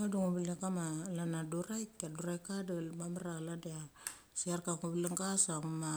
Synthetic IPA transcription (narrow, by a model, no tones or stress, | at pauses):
aduŋubilekamalanaduɾajkːaduɾajkadalmamaɾaladea | siaɾkaŋubileŋɡasaŋuma